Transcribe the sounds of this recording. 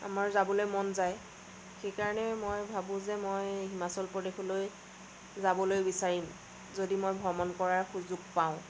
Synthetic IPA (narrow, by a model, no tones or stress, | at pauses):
a̰maɹzabɔlojmɔnzaj | xejkaɹɔnɛmojbʱabʊ̃zɛmojɦimasɔlpɹɔdexɔloj | zabɔlojbisaɹim | zodimojbʱɔmɔnkɔɹaɹxuzuɡ̚paʊ̃